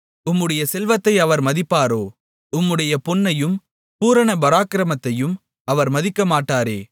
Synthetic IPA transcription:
ʊmːɯɽɐjɐsɛlʋɐt̪ːɐɪɐʋɐɾmɐðɪpːaːɾoː | ʊmːɯɽɐjɐpʊnːɐjɯm | puːɾɐɳɐbɐɾaːkɪɾɐmɐt̪ːɐjɯm | ɐʋɐɾmɐðɪkːɐmaːʈːaːɾḛː

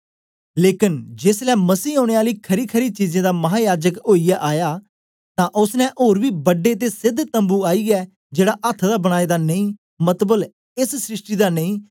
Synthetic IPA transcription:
leːkɪnd͡ʒɪslɛːməsiːɦoːɽ̃eːaːliːkʰəɾiːkʰəɾiːt͡ʃiːzẽːd̪aːmɐɦaːjaːd͡ʒəkoːijaʔaːjaː | t̪ãːʔʊsnɛ̃ʔoːɾʋiːbəɖeːt̪̬eːsɪd̪ʱt̪ə̃mbuːaːiːɛː | d͡ʒeːɽaːʔət̪ʰd̪aːbəɽ̃aːeːd̪aːnəĩː | mət̪bəl | ɪssɾɪʂʈiːd̪aːnəĩː

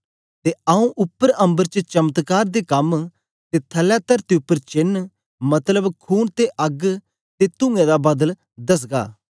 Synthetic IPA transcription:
t̪eːaũʔʊpːəɾɐ̃mbəɾt͡ʃət͡ʃɐmət̪kaːɾd̪eːkɐm | t̪eːt̪ʰəlːɛt̪əɾt̪eʊpːəɾt͡ʃɪn | mɐt̪ləbkʰuːnt̪eʔɐɡ | t̪et̪ʊ̃ŋɡẽd̪aːbɐd̪əl | d̪ɐs̬ɡa̰ː

